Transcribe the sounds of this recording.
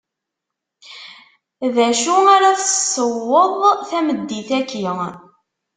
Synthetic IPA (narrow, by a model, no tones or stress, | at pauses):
ðæʃuaɾaθəsˤːəwːəðˤθæməd̪ːiθækə